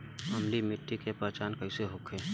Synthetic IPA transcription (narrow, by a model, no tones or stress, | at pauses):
ɐmlimɪʈːikepaːt͡ʃaːnkɐiseɦʊkʰeː